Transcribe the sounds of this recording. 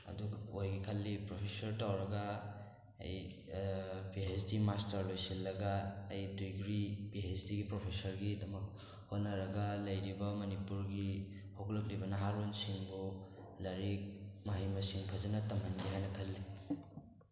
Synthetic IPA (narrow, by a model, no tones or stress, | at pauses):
ɐ̰duɡojɡikʰɐlːipɾopʰesɐɾtawɾɐɡa | ɐ̰j | biɦesdimastɐɾlojsilːɐɡaːjdujɡɾibiɦesdiɡipɾopʰesɐɾɡidɐmɐk̚ | hot̚nɐɾɐɡɐlɐjɾibɐmɐnipuɾɡi | hoɡlɐk̬̚libɐnɐɦaɾonsiŋbu | lɐɾik̚maɦijmɐsiŋpʰɐzɐnɐtɐmɐndiɦajnɐkʰɐlːi